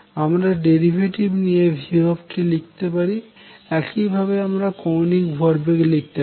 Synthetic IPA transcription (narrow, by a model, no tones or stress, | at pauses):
amɾaɖeɾibʱeʈibnijebʱibobʈilik̚t̪epaɾi | ɛkibʱabeamɾakownikbʱɔɾbekelik̚t̪e